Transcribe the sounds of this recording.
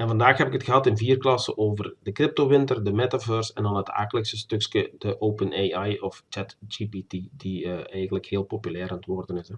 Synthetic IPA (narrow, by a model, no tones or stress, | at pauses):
ɛnvɑndaːxɦɛpɪkɦətxəɦɑtɪnviːrklɑsə̰ʔoːvərdəkrɪp̚toʋɪntərdəmɛtaføːrsɛndɑnɦətʰa̰ːkələksəstɵkskədəʔoːpənejajɔft͡ʃɛtd͡ʒipitidiəɛjɣəntləkheːlˠpopylɛːrəntʋoːrdənɪsɛ